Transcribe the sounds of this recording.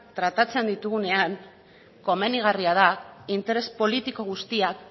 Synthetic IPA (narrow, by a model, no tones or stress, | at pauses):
t̪ɾat̪at͡se̞nd̪it̪uɣ̞une̞aŋ | ko̞me̞niɣ̞ariað̞aint̪e̞ɾe̞spo̞lit̪iko̞ɣ̞ust̪iak